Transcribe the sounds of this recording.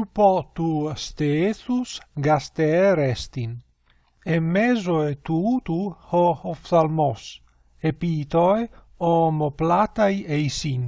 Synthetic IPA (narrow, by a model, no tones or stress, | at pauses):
upɔt̪ust̪eeθusɡast̪eɛɾɛst̪in | emːezoet̪ut̪uhohɔfsalmɔs | epit̪oe | omoplat̪ajejsin